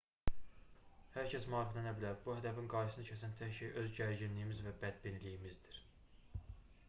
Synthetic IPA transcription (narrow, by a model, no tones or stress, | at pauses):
hæɾcʰæsmɑːɾiflænæbilæɾbuhæd̪ævinɡɑɾɯsɯnɯcʰæsænt̪ʰæhʃʰejʔø̞zɟæɾd͡ʒinlijimizvæbæd̪̚binlijimizd̪iɾ̥